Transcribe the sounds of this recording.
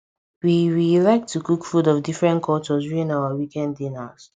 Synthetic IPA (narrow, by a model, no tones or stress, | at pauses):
wiɹilɛk̚tʰːukukfudɔvdifɹɛ̃nkʰɔt͡ʃɔsjuĩnawawikɛ̃nddĩnas